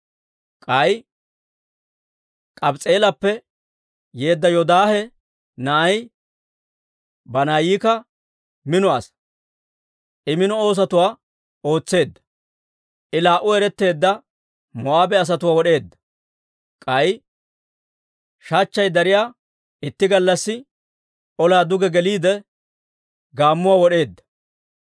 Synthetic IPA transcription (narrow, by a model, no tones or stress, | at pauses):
kʼɐj | kʼɐbt͡sʼe̞ːlɐpːɛ | je̞ːd̪ːɐjɔd̪aːhɛ | nɐɐj | bɐnaːjiːkɐ | mɪnʊas | ʔɪmɪnɔo̞ːs̬ɐt̪ʊwaː | o̞ːt͡sːe̞ːd̪ːɐ̥ | ʔɪlaːʔʊɛɾɛt̪ːe̞ːd̪ːɐ | mɔaːbɛɐs̬ɐt̪ʊwaːwɔɗe̞ːd̪ːɐ̥ | kʼɐj | ʃaːt͡ʃːɐjd̪ɐɾɪjaː | ɪt̪ːɪɡɐlːɐsːɪ | ʔɔlaːd̪ʊɡɛɡɛliːd̪ɛ | ɡaːmːʊwaːwɔɗe̞ːd̪ːɐ̥